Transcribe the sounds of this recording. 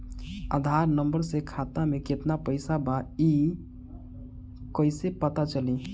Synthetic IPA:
a̰d̪ʱaɾnəmbəɾsekʰat̪ameket̪napəɪsabai | kəɪsepət̪at͡ʃəli

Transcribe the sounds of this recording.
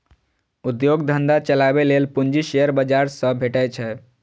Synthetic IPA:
ud̪joɡd̪ʱənd̪at͡ʃəlabelelpund͡ʒiʃeəɾbəd͡ʒaɾsə̃bʱeʈət͡ʃʰɛ

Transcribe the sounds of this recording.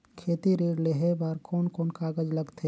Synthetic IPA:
kʰeːt̪iɾiːɽleɦebaɾkɔːnkɔːnkaːɡəd͡ʒləɡt̪ʰe

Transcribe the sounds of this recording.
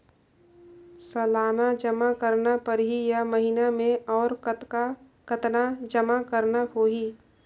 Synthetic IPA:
sɐlaːnad͡ʒɐmakəɾnapɐɾɦijamɐɦɪnamẽɔːɾ | kɐt̪nad͡ʒəmakɐɾnahoːɦi

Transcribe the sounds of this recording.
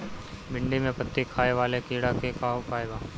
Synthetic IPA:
bɪ̃ɳɖimẽpɐt̪ːikʰaːeʋaːlekiːɽakekaːopaːebaː

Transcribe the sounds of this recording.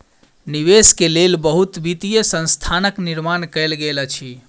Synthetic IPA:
niʋeskelelbəɦut̪bit̪ijəsə̃nst̪ʰanəkniɾmankəlɡelət͡ʃʰi

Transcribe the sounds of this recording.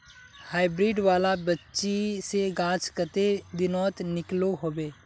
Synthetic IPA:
haːɪbɾiːɖʋaːlabətːʃiseɡãːt͡ʃkət̪ed̪ɪnɔːt̪nɪkloɦoːbeː

